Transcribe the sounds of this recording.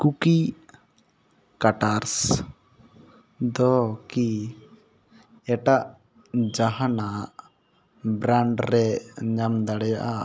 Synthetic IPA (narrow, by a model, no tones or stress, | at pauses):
kuki | kaʈaɾs | d̪ɔki | ɛʈaʔ | d͡ʒaɦanaʔ | bɾaɳɖɾɛɲamd̪aɽɛjaʔa